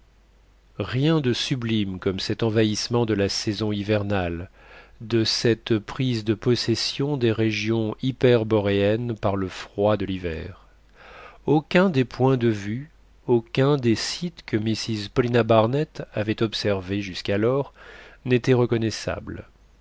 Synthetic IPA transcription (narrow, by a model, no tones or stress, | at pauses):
ʁjɛ̃d̪əsyblimkɔmsɛt̪ɑ̃vaismɑ̃d̪əlasɛzɔ̃ivɛʁnald̪əsɛt̪pχizd̪əpɔsɛsjɔ̃d̪eʁeʒjɔ̃ipɛʁbɔʁeɛnpaʁləfχwad̪əlivɛ̰ʁ | okʲɛ̃d̪epwɛ̃d̪əvy | okʲɛ̃d̪esit̪kəmisizpɔlinabaʁnɛt̪avɛt̪ɔpsɛʁveʒyskalɔʁnet̪ɛʁəkɔnɛsa̰bl